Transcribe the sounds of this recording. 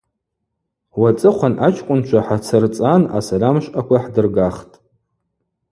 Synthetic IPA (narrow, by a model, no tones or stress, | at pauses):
wat͡sʼɨχʷanʔat͡ʃʰkʷʼʊnt͡ʃʷʰaħat͡sʰɨrt͡sʼana̰salamʃʼakʷaħdɨrɡaχtʼ